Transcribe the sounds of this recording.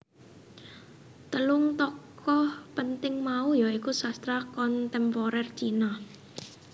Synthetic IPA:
t̪əlʊŋt̪ɔkɔhpənt̪ɪŋmaujɔikusast̪ɾakɔnt̪ɛmpɔɾɛrt͡ʃina

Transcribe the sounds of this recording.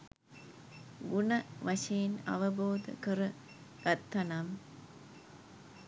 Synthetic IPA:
ɡunɐʋaʂejena̰ʋəboːd̪ə̰kəɾə | ɡ̥at̪ːɐnam

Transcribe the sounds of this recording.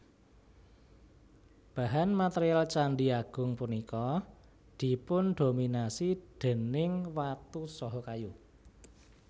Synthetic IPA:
b̥a̤ɦanmat̪eɾialt͡ʃaɳɖiaɡ̥ʊ̤ŋpunikɔ | d̪̥i̤pʊnd̪̥ominasid̪̥e̤nɪŋwat̪usɔɦɔkaju

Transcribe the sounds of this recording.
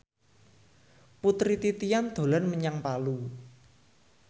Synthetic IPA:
put̪ɾit̪it̪ijand̪̥o̤lanməɲaŋpalu

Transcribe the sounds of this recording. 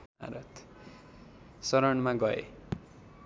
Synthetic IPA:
a̰ɾʌt̪ | sʌɾʌɳmaɡʌḛ

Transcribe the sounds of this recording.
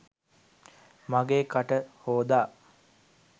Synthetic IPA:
maɡeːkaʈəhoːd̪aː

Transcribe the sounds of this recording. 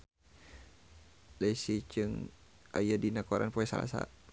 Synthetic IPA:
daisit͡ʃɨŋ | ʔajadinakɔɾʔa̰npoɛsa̰la̰sa̰

